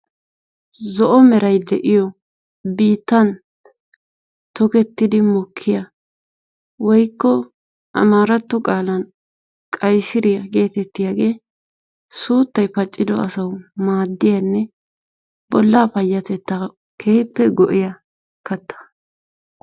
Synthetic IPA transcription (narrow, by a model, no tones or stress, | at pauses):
zɔʔɔmɛɾɐjd̪ɛʔɪjɔ | biːt̪ːɐn | t̪ɔkɛt̪ːɪd̪ɪmɔkʰːɪjɐ | wɔjkːɔ | ʔɐ̰maːɾɐt̪ːɔkʼaːlɐn | kʼɐjsɪɾɪjɐɡe̞ːt̪ɛt̪ːɪjaːɡe̞ː | suːt̪ːɐjpɐt͡ʃʼːɪd̪ɔɐsɐwmaːd̪ːɪjɐnːɛ | b̥ɔlːaːpɐjːɐt̪ɛt̪ːa | kʰeːpːɛɡɔʔɪjɐ | kɐt̪ʰːɐ̥